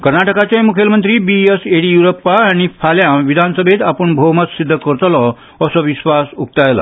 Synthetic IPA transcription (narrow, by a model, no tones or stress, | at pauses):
kəɾnaʈəkat͡ɕamukʰjelmənt̪ɾiːbieseɽijuɾopːaaɽ̃ifʰaljãʋid̪ʱansəbʱet̪apəɳbʱowmət̪sid̪ʱːəkəɾt̪lɔ | əsɔʋiɕʋasuk̚t̪ajla̰